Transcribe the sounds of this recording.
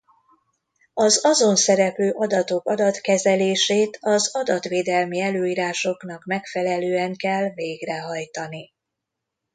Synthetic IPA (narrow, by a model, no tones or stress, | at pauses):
ɒzɒzo̞nsɛɾɛpløːʔɒd̪ɒt̪o̞kɒd̪ɒt̪kɛzɛleːʃeːt̪ɒzɒd̪ɒt̪ʋeːd̪ɛlmiɛløːiːɾaːʃo̞knɒkmɛkfɛlɛløːɛŋkɛlːveːɡrɛɦɒjt̪ɒni